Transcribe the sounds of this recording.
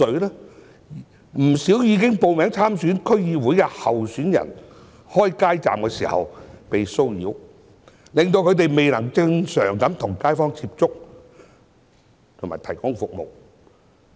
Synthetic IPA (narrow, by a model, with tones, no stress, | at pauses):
ɵ˨˧ɥlɛː˥ | m̩˨˩siː˨˥wjiː˨˧kɪ˥ŋpo˨wmɛː˨˥ŋt͡sʰaː˥msyː˨˥nkʰɵ˥ɥjiː˧wuː˨˥jkɛ˧hɐ˨wsyː˨˥njɐ̰˨˩n | hɔː˥jkaː˥jt͡sa̰ː˨mkɛː˧siː˨˩hɐ̰˨˧wpe˨jso˥wjḭː˨˧˥w | lɪ˨ŋt̪o˧wkʰɵ˨˧ɥt̪̬e˨jme˨jnɐ˨˩ŋt͡sɪ˧ŋsœː˨˩ŋkɐ˨˥mt̪ʰʊ˨˩ŋkaː˥jfɔː˥ŋt͡siː˧˥p̚t͡sʊ˥k̚ | t̪ʰʊ˨ŋma̰ː˨˩jt̪ʰɐ˨˩jkʊ˥ŋfʊ˨k̚mo̰˨w